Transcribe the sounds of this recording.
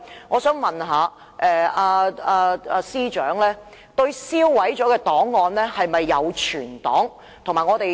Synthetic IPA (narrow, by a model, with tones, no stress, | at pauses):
ŋɔː˨˧sœː˨˥ŋmɐ˨nɦaː˨˧ | ʔɛː˧aː˧aː˧aː˧siː˥t͡ʃœ̰ː˨˥ŋlɛː˥ | t̪ɵ˧ɥsiː˥wːɐ˨˥jt͡ʃɔː˨˥kɛː˧t̪ɔː˨˥ŋːɔː˨˧nlɛː˥hɐ˨jmɐ˨jːɐ˨˧wt͡ʃʰyː˨˩nt̪ɔ̰ː˨˥ŋ | t̪ʰʊ˨˩ŋmaː˨˩ŋɔː˨˧t̪e˨j